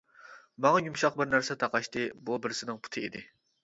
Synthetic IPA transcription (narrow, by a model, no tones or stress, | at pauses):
mɑŋɑjumʃɑq̚bɪɾnæɾsɛt̪ʰɑqɑʃt̪ɨbubɪɾsɪnɪŋpʰu̥t̪ʰɨḭd̪ɪ